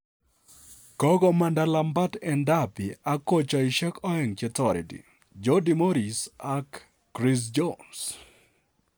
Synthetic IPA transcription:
kɔ˦ɡɔ˨manda˨lamba˦tɛ˨ndapi˨a˦ko˦t͡ʃɔ˨ɪ˨ʃɛ˦kɔ˦ɛ˨ŋt͡ʃɛt̪ɔɾḭ˨dḭ˨ | d͡ʒodimo˦ɾi˨sakː | ɾis̬d͡ʒons

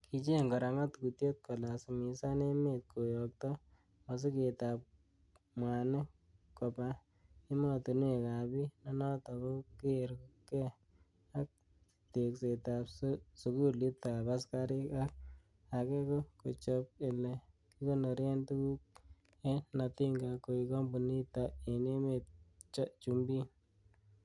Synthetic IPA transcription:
kʰi˨t͡ʃe˦ŋɡɔ˨ɾa˨ŋa˦tku˨tje˦t̪̚kɔ˨la˨simi˨sa˦ne˦met̪̚kʰo˨jɔk̚tɔ | ma˨s̬i˦ketap̚ | mwa˨ne˦ | kɔ˨pa | i˦mɔ˦tu˨n˦e˨kabi˦nɔ˦nɔ˦tɔ˨kɔ˦keɾkukɛ˦ | a˦k̚ | te˨kse˨ta˨pssu˨ku˦li˦t̪a˨pa˦ska˦ɾɪ˦ka˦k̚ | a˨ke˦kɔ˦ko˨t͡ʃɔp̚e˨lɛ˨ | ki˦ko˦no˨ɾjɛ˦ntu˦ku˦k̚ | ɛ˦na˨ti˦ŋɡa˨ko˨i˧kɔ˦mbu˨ni˦ta˨e˨ne˦me˨t͡ʃɔ˦t͡ʃu˨mbi˦

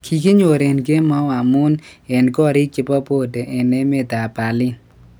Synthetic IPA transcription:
kʰi˨ki˦ɲo˨ɾe˨nɡe˦ma˦a˨mʊ˦nɛ˨nɡɔ˦ɾɪ˦t͡ʃɪ˦pa˦po˦de˨ʔɛ˨ne˦me˦d̪a˨ba˨lɪ˦

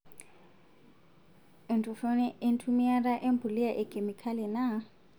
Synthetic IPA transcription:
ɪ˨ntʰʼʊ˨fo˦nɛ˦ʔɪ˦n̩˦tʰu˦mi˦a˦ra˦ʔe˦m̩˦bʱʊ˨li˦a˦ʔɪ˨kʼe˨mi˨kʰa˦lɪ˨na˦

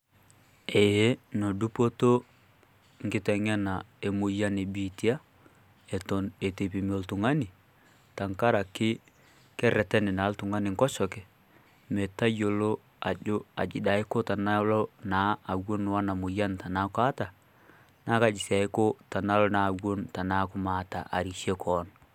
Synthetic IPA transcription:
e˨je˦no˨du˦po˦to˦ | ŋ˨ɡɪ˦tɛ˨ŋɛ˦na˨e˨mʊ˨ja˦ne˨bi˨ti˦a˦ | e˨tɔ˨ne˨te˨pi˨m˦o˨˦ltʊ˨ŋa˦nɪ˨ | ta˨ŋka˦ɾa˨kɪ˦ | kɛ˦ɾɛ˨tɛ˦nɪ˨na˨˦ltʊ˨ŋa˦nɪ˨ŋkɔ˦ʃɔ˨kɛ˨ | mɛ˨ta˦jo˨lo˦ | a˨d͡ʒo˦a̰˨d͡ʒɪ˨da˨˦ɪ˦ko˦ta˨na˦lo˦naː˨˦˨wo˦n˦wa˦na˨mʊ˨ja˦nta˨na˦ka˦ta˨ | na˦ka˦d͡ʒi˨sa˨ɪ˦ko˦ta˨na˦lo˦na˨wo˦nta˨na˦kʊ˦maː˨ta̰˨ʔa̰˨ɾi˨ʃe˦kʰɔ˨n

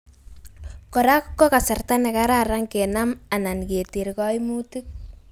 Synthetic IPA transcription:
kɔ˨ɾa˦kkːɔ˦ka˨sa˨rta˦nɛ˨kaɾaɾa˦ŋke˨na˦ma˨na˨nke˨ti˨ɾkɔ˦jmu˦ti˦k̚

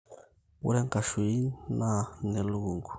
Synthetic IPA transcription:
ṵ˦ɾe˦ŋka˨ʃu˨i˦na˦ne˨lu˦ɡu˨ŋɡu˨

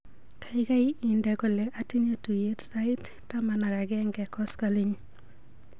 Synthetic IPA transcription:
kʰa˨ɪka˦ii˨ndɛ˨kɔ˨le˨ʔa˨ti˦ne˦tu˨je˦tsa˦ɪ˦t | tːamana˨ɾa˨ɡɛŋɡɛ˨kɔskaliɲ

